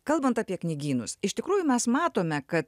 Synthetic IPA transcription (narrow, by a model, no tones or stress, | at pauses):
kɐlˠbɐnt̪ɑːpʲiɛknʲɪɡʲiːnʊ̰sɪʃt̪ʲɪkɾuːjʊmʲɛsmɑːt̪oːmʲɛkɐt̪